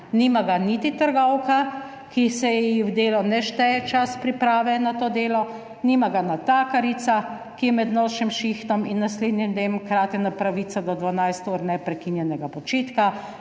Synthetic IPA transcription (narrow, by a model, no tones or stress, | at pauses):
niːmaɡanit̪it̪əɾɡɔwka | kisɛiwd̪eːlɔnɛʃt̪ɛɛt͡ʃaspɾipɾaːʋɛnat̪oːd̪eːlɔ | niːmaɡanat̪aːkaɾit̪sa | kijɛmɛd̪noːʃimʃixt̪ɔminːasleːd̪nʲimd̪emkɾaːt̪ɛnapɾaʋiːsad̪ɔd̪ʋanajst̪uɾnɛpɾɛkinjɛnɛɡapɔt͡ʃeːt̪ka